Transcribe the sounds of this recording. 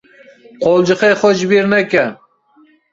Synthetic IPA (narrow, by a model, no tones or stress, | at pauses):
qʰɒlˠd͡ʒɨqɑjχɒt͡ʃbeɾnakʲa